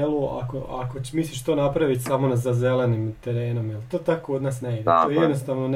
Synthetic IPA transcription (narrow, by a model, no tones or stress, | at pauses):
lˠua̰koʔako̞t͡ɕemisliʃt̪o̞ːnapɾaʋit̪ʲsamo̞nazaze̞lenimt̪e̞ɾe̞ːno̞mjelˠt̪o̞ːt̪akood̪naːsneid̪toːjed̪nost̪aːʋno̞n